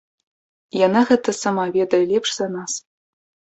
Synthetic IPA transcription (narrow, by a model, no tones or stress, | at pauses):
jɑnɑɣɛt̪ə̆sɑmɑvʲed̪ɐlʲepʂz̥ɑnɑs